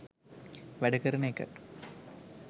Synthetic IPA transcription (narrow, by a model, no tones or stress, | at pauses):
ʋæɖəkəɾəneːkə̰ʈ